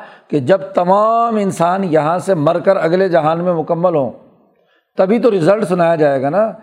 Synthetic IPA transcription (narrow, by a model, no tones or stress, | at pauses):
ked͡ʒɐbt̪ɐmaːmɪnsaːnjɐɦãsemɐɾkəɾɐɡled͡ʒɐɦaːnmẽmʊkəmːəlɦõ̰ː | t̪ɐbʱit̪oɾɪzəlʈsʊnaːjad͡ʒaːeːɡaːnaː